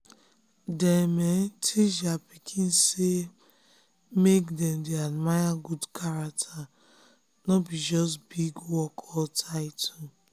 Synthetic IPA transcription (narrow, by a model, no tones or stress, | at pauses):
dɛmentʰid͡ʒapikʰĩnse | mekdɛmdeadmajaɡudkʰaɾak̚tʰa | nɔbid͡ʒɔstbiɡwɔkʰɔltʰaɪtʰu